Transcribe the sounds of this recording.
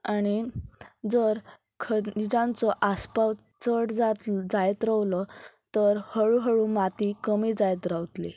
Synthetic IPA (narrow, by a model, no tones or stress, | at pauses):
añid͡zəɾ | kʰəd͡ʑãnt͡sɔʔaspaw | t͡səɽd͡zat̪d͡zajt̪ɾəwlɔt̪əɾhəɭuɦəɭũːmat̪ikəmiːd͡zajt̪ɾawt̪lḭ